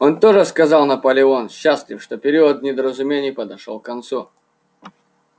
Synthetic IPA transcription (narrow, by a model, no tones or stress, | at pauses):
o̞nt̪oʐɨskɐzɑlˠnəpəlʲɪonɕːaslʲɪfʂt̪opʲɪɾʲiəd̪̚nʲɪd̪əɾəzʊmʲenʲɪjpəd̪ɐʂo̰lˠkːɐnt̪su